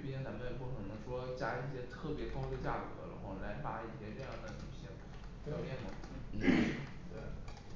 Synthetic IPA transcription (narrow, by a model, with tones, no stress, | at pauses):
ɛ˥nna˧˥m˥˧˥pu˥˩kʰɤ˨˩nɤ˧˥ŋʂwɔ˥t͡ɕja˥i˥˩ɕjɛ˥t̪ʰɤ˥˩pjɛ˧˥kɑ˥ʊd̪ə˨t͡ɕja̰˥˩kɤ̰˧˥d̪ə̰˧˥xwa̰˥˩la˧˥ɪma˧˥i˥˩ɕjɛ˥ʈ͡ʂjɑ˥˩d̪ə˧t̪ʰi˧˩ɕi˧˥˩ | pjɑ˨˩ʊjɛ˥˩nmɐ̰˩n̩˥˩n̩˥ | t̪we˥˩ɪ